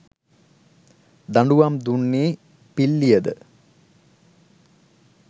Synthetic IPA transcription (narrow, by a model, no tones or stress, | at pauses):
d̪ɐɳɖuʋaːmd̪uɳːiː | pilːijɐd̪ɨ